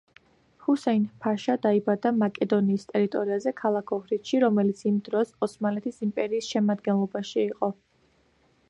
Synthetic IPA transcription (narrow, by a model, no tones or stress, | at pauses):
husɛinpʰaʃad̪aibad̪amakʼɛd̪ɔniːst̪ʼɛɾit̪ʼɔɾiazɛkʰalˠakʰɔhɾit̪ʃiɾɔmɛlit̪sʰimd̪ɾɔsɔsmalɛt̪ʰisimpʼɛɾiːsʃɛmad̪ɡɛnlˠɔbaʃiːqʼɔ